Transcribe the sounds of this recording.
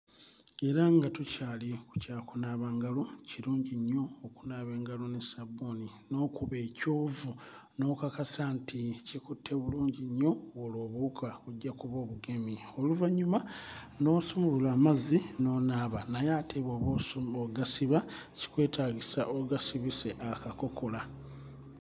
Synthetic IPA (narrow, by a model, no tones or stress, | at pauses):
e̞ɾaŋɡatucaːliku̥caːkunaːβaːŋɡalo̞ciɾuːɲɟiɲːo̞ːkunaːβe̞ːŋɡalonesaboni | no̞kuβe̞coːvu | no̞kakasaːnticikutʰːe̞βuluːɲɟiɲːo̞woloːβuːkʰaoɟːakuβo̞ːβuɡe̞mio̞luvaɲuma | no̞somuβulaːmazino̞naːβanajaːtʰeβoβosoɡasiβaci̥kwe̞ːtaɡisaʔoɡasiβise̞ʔakako̞kʰo̞la